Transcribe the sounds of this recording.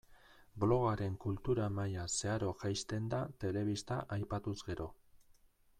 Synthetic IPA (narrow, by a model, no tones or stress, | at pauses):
blo̞ɣaɾe̞ŋkult̪uɾamajase̞aɾo̞ʝajst̪e̞nd̪at̪e̞le̞β̞ist̪aʔajpat̪uzɡe̞ɾo̞